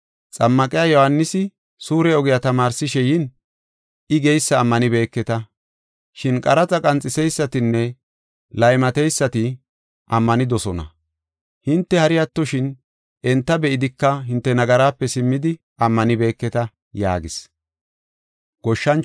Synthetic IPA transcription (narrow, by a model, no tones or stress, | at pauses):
t͡sʼɐmːɐkʼɪjajɔhɐnːɪsɪ | suːɾɛɔɡɪjɐt̪ɐmaːɾsɪʃɛjɪn | ɪɡɛjsːɐːmːɐnɪbe̞ːkːɛt̪ɐ | ʃɪnkʼɐɾɐt͡sʼɐkʼɐnt͡sʼːɪsɛjsːɐt̪ɪnːɛ | lɐjmɐt̪ɛjsːɐt̪ɪ | ʔɐmːɐnɪd̪ɔsɔnɐ̰ | hɪnt̪ːɛhɐɾɪjɐt̪ːɔʃɪn | ʔɛnt̪ːɐbɛʔɪd̪ɪkːɐɦɪnt̪ːɛnɐɡɐɾaːpːɛsɪmːɪd̪ɪ | ɐmːɐnɪbe̞ːkːɛt̪ɐ | ja̰ːɡɪs | ɡ̥ɔʃːɐn